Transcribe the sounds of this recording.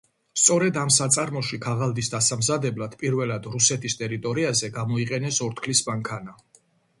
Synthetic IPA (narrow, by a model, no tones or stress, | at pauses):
st̪sʼɔɾɛd̪amsat̪sʼaɾmɔʃikʰaʁalˠd̪isd̪asamzad̪ɛblad̪̥pʼiɾvɛlad̪ɾusɛt̪ʰist̪ʼɛɾit̪ʼɔɾiazɛɡamɔiqʼɛnɛsɔɾt̪ʰkʰlismaŋkʰana